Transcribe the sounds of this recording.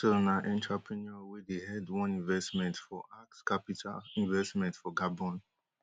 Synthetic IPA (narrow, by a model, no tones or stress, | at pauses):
sonaʔɛ̃ntɹapʰɹinɔwedehɛdwɔ̃nĩnvɛstmɛ̃ntfɔʔakskapitʰa̰lĩnvɛstmɛ̃ntfɔɡabɔ̃n